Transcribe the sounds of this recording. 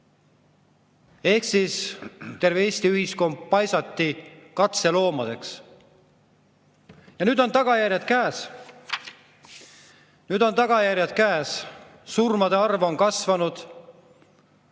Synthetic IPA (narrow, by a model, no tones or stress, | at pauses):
e̞hksist̪e̞rveesʲt̪iyhisko̞mb̚pɑjsɑt̪ːikɑt̪se̞lo̞ːmɑd̪̥e̞ks | jɑnyːd̪o̞nt̪ɑɡ̥ɑjærjɑd̪̥̚kæːs | nyːd̪̥o̞nt̪ɑɡ̥ɑjæɾʲjɑd̪̥̚kæːs | surmɑd̪e̞ɑrvo̞nkɑsvɑnud̪̥